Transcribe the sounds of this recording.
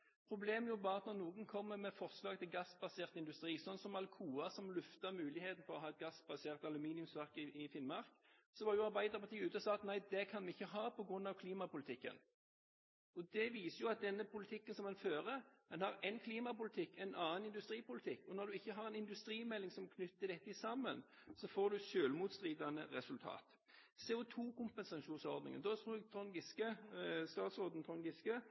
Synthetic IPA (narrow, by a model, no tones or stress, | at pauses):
pʰʁʊbleːmjʊbɑːɑt̪nɔʁnuːɡənkʰɔmːəmɛfɔʁslɑːɡt̪ʰɪlɡɑsːbɑseːʁt̪əɪnd̪ʉst̪ʁiːsɔnsɔmɑlkʰuːɑsɔmlʉft̪əʁmʉːlɪheːt̪n̩fɔʁɔɦɑːɛt̪̚ɡɑsːbɑseːʁt̪ɑlʉmiːnɪʉmsʋæʁkɪɪfɪnmɑʁk | sɔʋɑʁjʊɑɾbæɪd̪əʁpʰɑt̪iːʉːt̪əɔsɑːɑt̪næɪd̪ɛkʰɑnʋɪɪçːəɦɑːpɔɡʁʉnːɑʋkʰliːmɑpʊlɪt̪ʰɪkːə̰n | ɔd̪ɛʋiːsəjʊɑt̪̚d̪ɛnːəpʰʊlɪt̪ʰɪkːənsɔmɑnføːʁəd̪ɛnhɑʁɛɪnkʰliːmɑpʊlɪt̪ʰɪkːɛɪnʔɑːənɪnd̪ʉst̪ʁiːpʊlɪt̪ʰɪkːɔnɔʁd̪ʉɪçːəɦɑʁɛnɪnd̪ʉst̪ɾiːmɛlːɪŋsɔmkʰnʏt̪ːəd̪ɛt̪ːɪsɑmːənsɔfoːd̪ʉʃøːlmuːt̪st̪ʁiːd̪ɑnə̰ɾɛsʉlt̪ʰɑ̰ːt̪ | sɛʊt̪ʰuːkʊmpɛnsɑʃuːnsɔʁd̪nɪ̰ŋə̰nd̪ɔt̪ʁuɛt̪ʰɔŋɡɪskəst̪ɑːt̪sʁoːd̪n̩t̪ʰʁɔŋɡɪskə